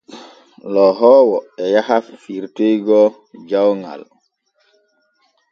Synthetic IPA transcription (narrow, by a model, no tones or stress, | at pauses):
lɔɦɔːwɔɛjahafiɾtejɡɔ | d͡ʒawŋa̰l